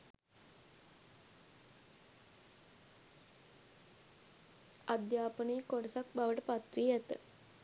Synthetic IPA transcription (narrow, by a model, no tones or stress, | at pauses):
ad̪jaːpəneːkoɖəsak̚baʋəʈəpat̪ɾiːæt̪ə̰